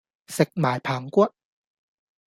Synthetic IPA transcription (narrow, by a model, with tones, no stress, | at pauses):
se˨˩k̚maː˨˦jpʰaː˨˦ŋku˥